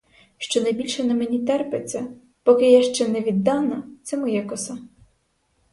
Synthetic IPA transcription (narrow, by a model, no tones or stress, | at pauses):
ʃt͡ʃɔnɐjbʲilʲʃɛnɐmenʲit̪ɛrpesʲɛ | pɔkɪjaʃt͡ʃɛnɛʋʲid̪ːɑnɐt̪sɛmɔjɛkɔsɑ